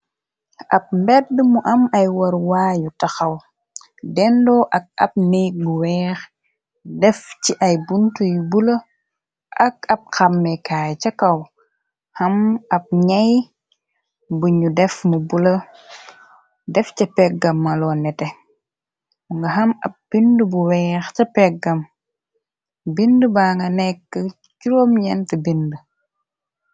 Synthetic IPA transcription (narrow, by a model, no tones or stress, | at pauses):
ʔɐp̚mbɛt̚ːəmuʔɐmɐjwɐɾwaːjutɐxɐw | dɛndɔʔɐk̚ɐ̰p̚nijɡuwɛːx | dɛfciʔɐjbuntujubulɐ | ʔɐkɐp̚xɐmːɛkaːjt͡ʃɐkɐw | hɐmɐp̚ɲɐj | buɲudɛfmubulɐ | dɛfcɐpɛɡɐmːɐlɔːnːɛtɛ | uŋɡɐɦɐmɐ̰p̚b̥indəbuwɛːxcɐpɛɡɐm | bindəbaːŋɡɐnɛkːə | cuɾomjɛntəbində